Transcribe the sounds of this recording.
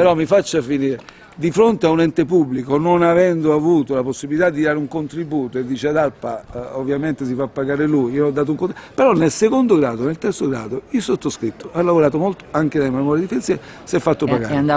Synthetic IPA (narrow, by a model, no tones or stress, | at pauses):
peɾɔmːifat͡ʃːafiniːɾe | d̪ifɾont̪eaunɛnt̪epubːlikononavɛnd̪oavuːt̪olaposːibilit̪ad̪ːid̪aːɾeuŋkont̪ɾibuːt̪oed̪ːiːt͡ʃead̪alpaovːjament̪es̬ifapːaɡaːɾelujiːoɔd̪ːaːt̪̬ʊuŋkopeɾɔnːelsekond̪oɡɾaːd̪onelt̪ɛrt̪soɡɾa̰ːd̪oilsot̪ːoskɾit̪ʰːo̥alːavoɾaːt̪̬omolt̪o̥aŋkenememɔɾjad̪ipensjɛ | sɛfːat̪ːopaɡaːɾ